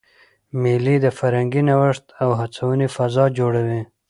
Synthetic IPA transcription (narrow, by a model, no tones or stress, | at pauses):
milid̪əfaɾhaŋɡinawəʂt̪awɦat͡sawənifazɑd͡ʒoɽawi